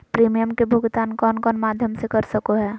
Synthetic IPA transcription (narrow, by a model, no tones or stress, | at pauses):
pɾiːmijəmkebʱʊɡt̪aːnkɔːnkɔːnmaːd̪ʱjəmsekɐɾsəkoɦɛː